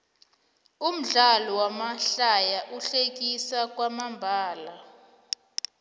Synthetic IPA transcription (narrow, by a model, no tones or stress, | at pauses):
um̩ɮalɔwamaɬajaʔuɬek̬ʼisak̬ʼwamambʱaːla